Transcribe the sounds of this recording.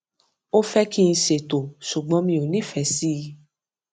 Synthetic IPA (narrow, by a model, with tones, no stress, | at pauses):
o˦fɛ˦ki˦˧n̩˧ʃe˨to˨ʃu˨ɡ͡bɔ̃˨˦mĩ˧˦o˨nĩ˨˦˨fɛ˨si˦˧